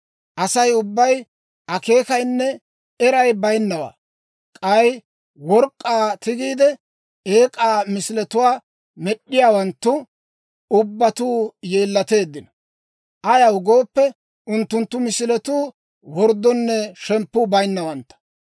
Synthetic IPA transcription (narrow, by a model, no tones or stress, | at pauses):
ʔɐsɐjʊbːɐj | ʔɐke̞ːkɐjnːɛ | ɛɾɐjbɐjnːɐwa̰ː | kʼɐj | wɔɾkʼːaːt̪ɪɡiːd̪ɛ | eːkʼaːmɪsɪlɛt̪ʊwaː | mɛɗːɪjaːwɐnt̪ːʊ | ʊbːɐt̪uːje̞ːlːɐt̪e̞ːd̪ːɪnɐ | ʔɐjɐwɡoːpːɛ | ʊnt̪ːʊnt̪ːʊmɪsɪlɛt̪uː | wɔɾd̪ːɔnːɛʃɛmpːʊbɐjnːɐwɐnt̪ːɐ̥